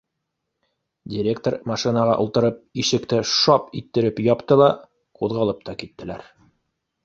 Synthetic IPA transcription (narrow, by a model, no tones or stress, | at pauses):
dʲɪɾʲekt̪ormɑʃinɑʁɑ̰ʔulˠt̪ɤ̆ɾɤp̚iʃɘ̆kt̪ɘʃɑpit̪ːɘ̆ɾɘpjɒpt̪ɤlˠɑ | quðʁɑlˠɤp̚t̪ɑkit̪ːɘ̆læɾ